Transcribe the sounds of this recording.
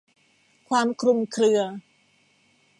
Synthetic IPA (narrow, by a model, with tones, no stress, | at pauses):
kʰwaː˧mkʰɾu˧mkʰlɯ˧ɐ